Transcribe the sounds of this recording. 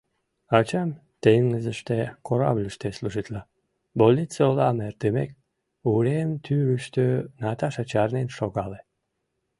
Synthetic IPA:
ɑt͡ɕɑm | t̪eŋːəzəʃt̪ekʰoɾa̰blʲəʃt̪esluʒit̪lɑ | bolʲit̪t͡seolɑmert̪əmḛk̚ | uɾemt̪ʰyyʃt̪ønɑt̪ɑʃɑt͡ɕɑrnenʃoɣɑle

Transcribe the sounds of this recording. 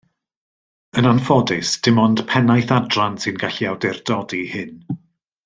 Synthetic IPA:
ənanfɔdɪsd̥ɪmɔnd̥pʰɛnajθadransɨnɡaɬiawdɪrdɔdihɪn

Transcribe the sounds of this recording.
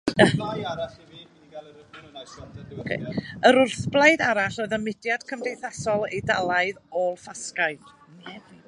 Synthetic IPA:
okʰḛəɾʊrθblˠajdaɾaɬɔɨðəmɪdjad̥kʰəmdejθasɔlˠedalˠaɨðolˠfaskaɨd̥

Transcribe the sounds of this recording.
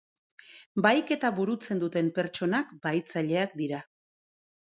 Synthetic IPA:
bajke̞t̪aβuɾut͡se̞nd̪ut̪e̞mpe̞ɾt͡ʃo̞nakbajt͡saʎe̞akd̪iɾa

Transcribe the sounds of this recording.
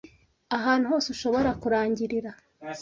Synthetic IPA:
aɦaːn̥huhoːseuʃo̞βo̞ɾakuɾaːɲɟiɾiɾa

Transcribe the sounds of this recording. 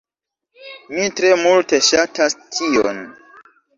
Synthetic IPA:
mitɾe̞multe̞ʃatastʰio̰n

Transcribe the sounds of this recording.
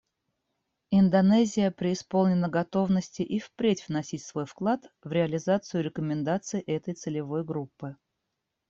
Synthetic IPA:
ɪnd̪ɐnɛzʲɪjəpɾʲɪːspo̞lˠnʲɪnəɡɐt̪o̞vnəsʲtʲɪʔifpɾʲetʲvnɐsʲitʲsvo̞jfklˠat̪vɾʲɪɐlʲɪzat̪sɨjʊɾʲɪkəmʲɪnd̪at̪sɨɪʔɛt̪əjt̪sɨlʲɪvo̞jɡɾupːɨ

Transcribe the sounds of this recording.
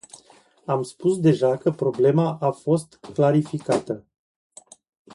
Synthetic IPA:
amspusd̪e̞ʒakəpɾo̞ble̞maʔafo̞st̪klaɾifikat̪ə

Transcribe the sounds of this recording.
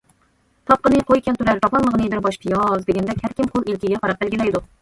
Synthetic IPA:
t̪ʰɑp̚qənɨqʰojkʲɛnt̪ʰuɾæɾt̪ʰɑplˠɑnlˠəʁənɨbɪɾbɑʃpʰijɑzd̪ɪɡʲɛnd̪ɛkʲhæɾkʲimqʰolˠilkʲiɡʲɛqɑɾɑq̚bælɡʲilɛjd̪u

